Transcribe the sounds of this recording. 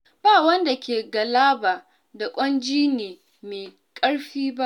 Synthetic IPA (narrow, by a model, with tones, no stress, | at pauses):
baː˦˨wɐ˦nda˨kʲeː˨ɡɐ˨laː˦baː˨ | da˨kʷʼɔ˦nd͡ʒiː˦neː˨ | meː˨ | kʼɐ˦ɽɸiː˦ba˦ʔ